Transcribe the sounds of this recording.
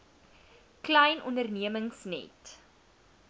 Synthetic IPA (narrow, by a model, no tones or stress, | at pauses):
klɛjnʔɔndərniəməŋsnɛ̰t